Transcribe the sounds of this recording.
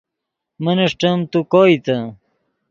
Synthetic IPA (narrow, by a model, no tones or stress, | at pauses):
mɐnɐʂʈɐmt̪ukoːit̪ɐ